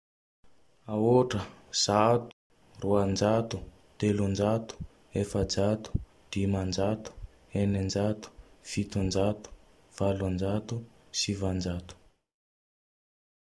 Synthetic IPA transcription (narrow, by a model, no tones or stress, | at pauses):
aoʈ͡ʂəz̥at̪u̥ | ruand͡ʒat̪u̥ | t̪elund͡ʒat̪u̥ | efəd͡zat̪u̥ | d̪̥imand͡ʒat̪u̥ | enind͡ʒat̪u̥fit̪und͡ʒat̪u̥ | v̥aland͡ʒat̪u | sivand͡ʒat̪u̥